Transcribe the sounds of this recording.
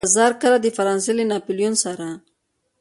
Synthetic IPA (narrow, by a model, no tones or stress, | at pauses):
zɑɾkəlad̪əfaɾɑnselenɑpoljonsaɾa